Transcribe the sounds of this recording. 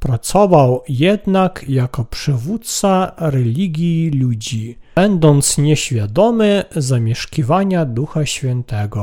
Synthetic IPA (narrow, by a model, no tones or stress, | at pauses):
pɾat̪sɔvawjɛd̪nakjakɔpʂɘvut̪̚t̪saɾɛlʲiɡʲjilud͡ʑiɛnd̪ɔnt̪sɲɛɕfʲjad̪ɔmɘzamʲjɛʂkʲivaɲad̪uxaɕfʲjɛnt̪ɛɡɔ